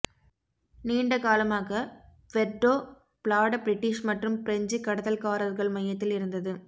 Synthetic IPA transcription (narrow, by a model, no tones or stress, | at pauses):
niːɳɖɐkaːlɐmaːɣɐ | ʋɛɖːoː | pɭaːɽɐbɾɪʈːɪʂmɐʈrɯmpɪɾɛɲd͡ʒikːɐɽɐðɐlkaːɾɐɾɣɐɭmɐjːɐt̪ːɪlɪɾɯnd̪ɐðɯ